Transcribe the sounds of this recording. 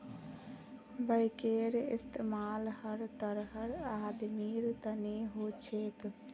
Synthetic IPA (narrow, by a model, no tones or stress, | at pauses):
bəɪkeɾḭst̪ʰemalhəɾt̪əɾɦəɾad̪miɾt̪əneɦot͡ʃʰek